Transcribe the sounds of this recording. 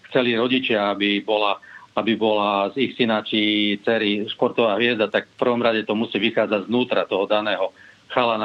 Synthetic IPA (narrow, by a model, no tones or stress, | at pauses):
xt͡sɛliɾɔɟit͡ʃɪaabibɔlaabibɔlazixsinat͡ʃit͡sɛɾiʃpɔɾt̪ɔʋaːɦʋɪɛzd̪at̪akfpr̩ʋɔmɾaɟɛt̪ɔmusiːʋixaːd͡zaɟznuːt̪ɾat̪ɔɦɔd̪anɛːɦɔxalana